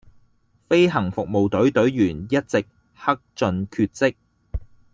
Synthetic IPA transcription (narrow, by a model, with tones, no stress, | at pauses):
fe˥jɦɐ˨˩ŋfʊ˨k̚mo˨wt̪ɵ˨˥ɥt̪ɵ˨˥ɥjyː˨˩njɐ˥t̚t͡sɪ˨k̚ | hɐ˥k̚t͡sɵ˧nkʰyː˧t̚t͡sɪ˥k̚